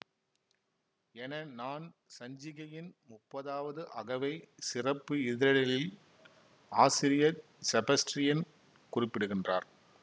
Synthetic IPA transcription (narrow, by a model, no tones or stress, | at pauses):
ɛnɐnaːnsɐɲd͡ʒɪɣɐjɪnmʊpːɐðaːʋɐðɯʔɐɣɐʋɐɪsɪrɐpːɯɪðɪɾɐlɐlɪl | aːsɪɾɪjɐ | sɛbɐsʈɾɪjɐn | kʊrɪpːɪɽɯɣɪndraːɾ